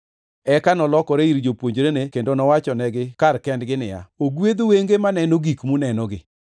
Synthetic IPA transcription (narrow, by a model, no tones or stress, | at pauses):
ɛkanɔlɔkɔɾeiɾd͡ʒopwoɲd͡ʒɾenekendonɔwat͡ʃɔnɛɡɪkarkɛndɡɪnɪ̰ja̰oɡwed̪oweŋɡemanɛnoɡikmunɛnɔɡɪ